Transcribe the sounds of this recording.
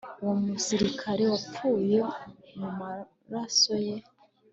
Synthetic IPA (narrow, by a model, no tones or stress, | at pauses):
uwo̞musiɾikʰaɾe̞wap͡fuːje̞muma | ɾaso̞je